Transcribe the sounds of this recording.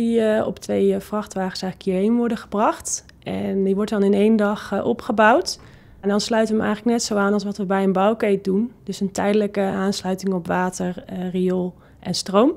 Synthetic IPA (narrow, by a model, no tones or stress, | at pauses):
iɔ̰ptʋejfrɑχtʋaːχə̥sɛjχləkʰɪːɹɦejnʋɔɹdəχəbrɑχt | ʔɛndiʋɔɹtdɑnɪnejndɑχʔɔpχəbɑwt | ndɑnslœɥtəʋəʔɛ̰jχələknɛtsowaːnɑlˠsʋɑtʋəbɛjənbɑwkejt̚dund̥ɵsəntɛjdələkəaːnslœɥtɪŋɔpʋaːtəɹrijɔlˠ | ʔɛnstrowm